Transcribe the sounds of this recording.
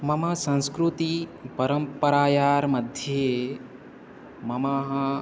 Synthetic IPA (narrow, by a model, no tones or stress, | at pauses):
mɐmɐsɐ̃nskɾut̪ipɐɾɐmpɐɾaːjaːɾmɐd̪ʱje | mɐmaɦɐ